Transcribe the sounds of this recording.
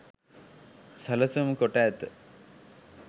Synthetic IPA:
sɐlɐsumkoʈaːt̪ɨ

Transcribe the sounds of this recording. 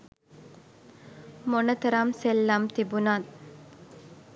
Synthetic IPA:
monət̪əɾamselːamt̪ibunat̪

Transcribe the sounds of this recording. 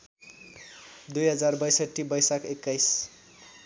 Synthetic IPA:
d̪ujɦʌd͡zarbʌjsʌʈːibʌjsakekːajs

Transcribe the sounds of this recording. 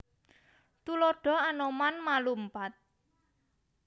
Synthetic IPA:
t̪uloɖ̥ɔ̤anomanmalum̩pat̪̚

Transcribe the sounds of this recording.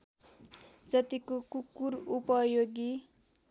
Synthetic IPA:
d͡zʌt̪ikokukːurupʌjoɡi

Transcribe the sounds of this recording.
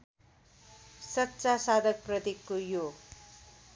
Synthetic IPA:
sʌtːsasad̪ʌk̚prʌt̪ikːojo

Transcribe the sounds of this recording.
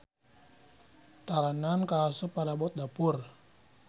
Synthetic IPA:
t̪aɾanankaːsupaɾabɔt̪̚dapʊr

